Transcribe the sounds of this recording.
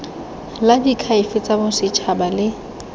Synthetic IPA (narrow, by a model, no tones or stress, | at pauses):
ladikʰaɪfɪt͡sʼabʊsɪt͡ʃʰabalɪ